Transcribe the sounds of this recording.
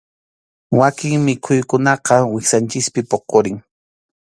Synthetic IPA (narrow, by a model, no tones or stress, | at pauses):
wakɪŋmɪkʰʊjkʊnɑqɑwɪxsant͡ʃɪspɪpoqoɾɪŋ